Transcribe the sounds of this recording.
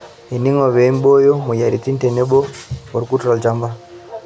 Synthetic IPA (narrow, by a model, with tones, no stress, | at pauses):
e˨ni˦ŋo˨βe˨˦m˦bo˦jo˦mu˨ja˨ɾi˨ti˦nte˨ne˦ɓo˦o˨ɾu˦ku˦tuɾa˨lt͡ʃa˨mba˦